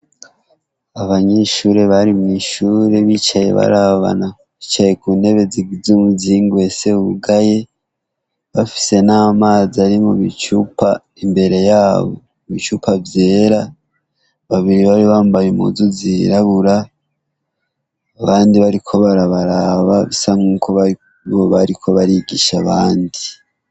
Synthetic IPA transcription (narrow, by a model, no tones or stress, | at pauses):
aβaɲeʃuːɾe̞βaɾimŋiʃuɾe̞βit͡ʃaje̞̰βa̰ɾaβa̰na | βiːt͡ʃaje̞kune̞βe̞ziɡzumuziŋɡwe̞seuβuɡaje̞ | βafi̥se̞naːmaːziaɾimuβit͡ʃupa | imbe̞ɾe̞jaːβo̞̰ | βit͡ʃupʰavje̞ːɾa | βaβiɾiβaɾiβaːmbajumṵzuziɾaβuɾa | βaːndiβaɾikʰo̞βaɾaβaɾaβaβisaŋuːkʰoa | βoβaɾikʰo̞βaɾiɡiʃaβaːndi